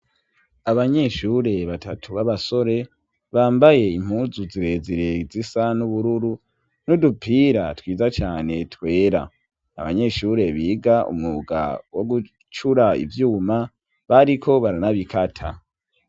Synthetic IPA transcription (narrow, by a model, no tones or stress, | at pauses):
aβaɲe̞ʃuɾe̞βatʰatʰuβaβaso̞ɾe̞ | βaːmbaje̞im̥huːzuziɾe̞ziɾezisanuβuɾuɾu | nudupʰiːɾa̰twiːzat͡ʃaːne̞twe̞ːɾa̰ | a̰βa̰ɲe̞ʃuɾe̞βiːɡaʔṵmŋuɡa̰wo̞ɡu | t͡ʃuɾaḭvjuːma | βaɾikʰo̞βaɾanaβikʰatʰa̰